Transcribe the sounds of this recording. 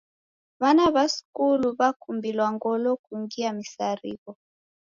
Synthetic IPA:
βanaβaskuluβakumbilwaŋɡɔlɔkuŋɡiamisaɾḭβɔ

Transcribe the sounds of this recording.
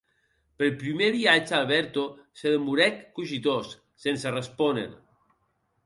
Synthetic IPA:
pəlpɾimeβiad͡ʒalˠβ̞ɛɾt̪oseðəmuɾɛkːuʒit̪osː | ensərəspɔnḛn

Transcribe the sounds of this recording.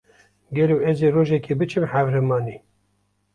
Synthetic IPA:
ɡɛloːɛzeːroːʒɛkeːbɨt͡ʃʰɨmhævɾɛmɑːniː

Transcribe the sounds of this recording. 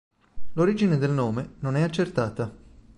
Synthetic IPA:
loɾiːd͡ʒined̪elnoːmenonɛat͡ʃːert̪aːt̪a

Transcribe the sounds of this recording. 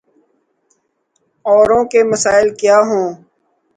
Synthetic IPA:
ɔːɾõːkeməsaːɪlkjaːɦõː

